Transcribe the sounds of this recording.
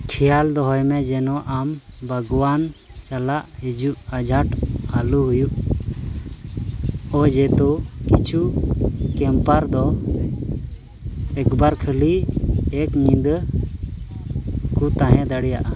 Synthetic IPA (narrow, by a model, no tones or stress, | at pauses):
kʰɛjald̪ɔɦɔjmɛd͡ʒɛnɔʔambʱaɡwant͡ʃalaʔhid͡ʒuʔad͡ʒʱaʈaluɦujuʔ | ɔd͡ʒɛt̪ɔkit͡ʃʰu | kɛmpaɾd̪ɔ | ɛkbaɾkʰəliɛkmid̪ | kut̪ãɦɛ̃d̪aɽɛjaʔa